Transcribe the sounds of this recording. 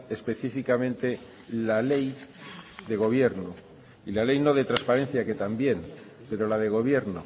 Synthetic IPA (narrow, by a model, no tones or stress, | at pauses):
e̞spe̞θifikamẽ̞nt̪e̞ | lale̞j | d̪e̞ɣ̞o̞β̞je̞ɾno | ilale̞jno̞ðe̞t̪ɾaspaɾẽ̞n̟θjake̞t̪ambje̞n | pe̞ɾo̞laðe̞ɣ̞o̞β̞je̞ɾno